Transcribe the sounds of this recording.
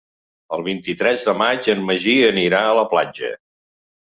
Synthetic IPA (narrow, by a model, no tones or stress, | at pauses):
əlˠβ̞int̪it̪ɾɛzðəmad͡ʒənməʒiəniɾaələplad͡ʒə̰